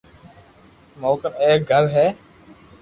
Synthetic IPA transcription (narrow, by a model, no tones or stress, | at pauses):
moːkəneːk̚ɡʱəɾɦɛː